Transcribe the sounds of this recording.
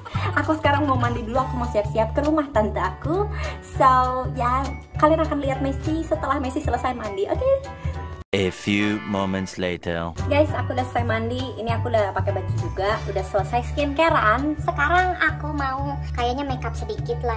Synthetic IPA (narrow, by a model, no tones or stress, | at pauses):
akusə̥kaɾaŋmawmandiduluakumausiat̪siɦat̪̚kəɾumaht̪ant̪aːkusawjakalianakanliɦat̪̚mɛsisət̪əlahmesisələsajmandiʔoke | əfjumomɛ̃ntsletʰə̰ɡajsakudahsəsajmandiːniakudahpakɛbad͡ʒid͡ʒuɡaudahsələsajsə̥kiənkeɾansəkaɾaŋakumau | kajaɲamekap̚sədikɪt̪la